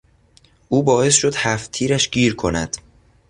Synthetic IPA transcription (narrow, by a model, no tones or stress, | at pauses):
ʔuːbɒːe̞sʃo̞d̪̥hæft̪ʰiːɾæʃɡiːɾkʰo̞næ̰d̪̥